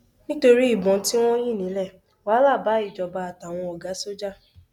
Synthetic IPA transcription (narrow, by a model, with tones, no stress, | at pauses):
nĩ˦to˧ɾi˦i˦˨bɔ̃˨˦ti˦w̃ɔ̃˦j̃ĩ˦˨nĩ˨˦lɛ˦˨ | wa˨˦la˦˨ba˨˦i˦˨d͡ʒɔ˨ba˧a˨ta˨w̃ɔ̃˧ɔ˨ɡa˨˦so˦d͡ʒa˦